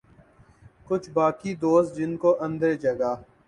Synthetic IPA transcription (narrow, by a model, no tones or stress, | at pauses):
kʊt͡ʃʰbaːkiːd̪oːst̪̚d͡ʒɪnkoːʔə̃nd̪əɾed͡ʒəɡaː